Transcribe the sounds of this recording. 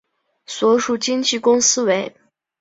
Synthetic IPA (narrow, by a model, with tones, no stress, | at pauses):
swɔ˧˥ʂu˨˩t͡ɕi˥ŋt͡ɕi˥˩kʊ˥ŋsɹ̩˥we˧˥ɪ